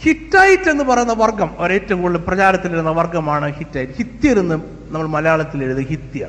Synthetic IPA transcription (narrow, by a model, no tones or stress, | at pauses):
hitːaːjitːe̞nːɨpɐrɐjunːɐʋɐrɡɐmoɾe̞ːtːɐuŋkoɭːɨprɐt͡ɕaːɾɐt̪ːiliɾunːɐʋɐrɡɐmaːɳɨhitːaːjitːhit̪ːijɐɾunːɨ | nɐmːɐɭmɐlɐjaːɭɐt̪ːileɾuðɨhit̪ːija̰ɳɨ